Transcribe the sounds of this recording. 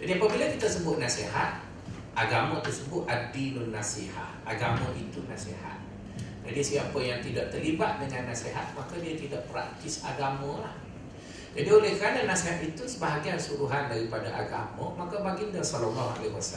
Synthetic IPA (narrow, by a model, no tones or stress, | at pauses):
d͡ʒadiapəbilakit̪asəbʊt̪̚naseɦa̰t̪̚ | ʔaɡamə̃t̪ərsəbʊt̪̚ʔadilunasiha̰hʔaɡamə̃ʔit̪unasḛha̰t̪̚ | d͡ʒadisiapəjaŋt̪idaʔt̪ərlibat̪̚dəŋanːaseɦat̪̚makadiat̪idaʔpəɾak̚t̪ɪsa̰ɡamə̃lah | d͡ʒadiolɛhkəɾananasiɦat̪̚it̪usəbaɦaɡiansuɾuɦandaɾipadaʔaɡa̰mə̰̃makabaɡɪndəsalɔnaa̰leɦwasa